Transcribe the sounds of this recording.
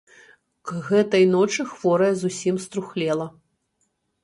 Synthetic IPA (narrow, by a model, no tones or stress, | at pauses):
ɣɛt̪ɐjnɔt͡ʂɨxvɔɾɐjɐzusʲimst̪ɾuxlʲɛlˠɐ